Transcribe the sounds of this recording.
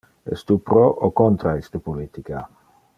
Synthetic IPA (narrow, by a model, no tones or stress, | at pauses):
ḛst̪upɾoʔokont̪ɾaist̪əpolit̪ika